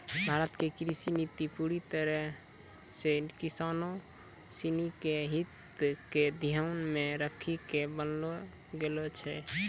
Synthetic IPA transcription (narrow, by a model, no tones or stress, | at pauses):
bʱaɾət̪kekɾisinit̪ipuɾit̪əɾɛ | sekisano | sinikeɦit̪ | ked̪ʱijənmeɾəkʰikebənlo | ɡelot͡ʃʰɛ